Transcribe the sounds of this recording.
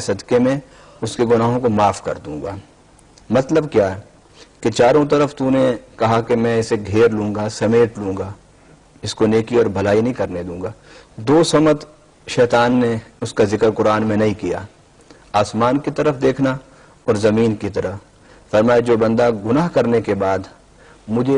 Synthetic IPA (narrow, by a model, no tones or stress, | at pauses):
sɐd̪kemẽ | ʊskeɡʊnaːɦõkomaːfkɐ̰ɾd̪ũːŋɡa̰ː | mɐt̪ləb̚kjaːɦɛ | ket͡ʃaːɾõt̪̬ɐɾəfʰt̪unekɐɦakemɛ̃ɪseɡʱeːɾlũːŋɡasɐmeːʈlũːŋɡaː | ɪskoneːkiɔːɾbʱɐlaːinɐɦĩkɐɾned̪ũːŋɡaːd̪oːsɐmət̪ | ʃɛːt̪aːnːeʊskazɪkəɾkʊɾaːnmẽnɐɦĩkija̰ː | aːsmaːnkit̪ɐɾəfd̪eːkʰna | ɔːɾzɐmiːnkit̪ɐɾəf | fɐɾmaːjed͡ʒoːbɐ̃nd̪aɡʊnaːɦkɐɾnekebaːd̪ | mʊd͡ʒʱe